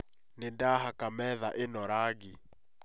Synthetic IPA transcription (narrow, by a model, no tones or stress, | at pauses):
nendaɦakamɛðaʔenɔɾaɡi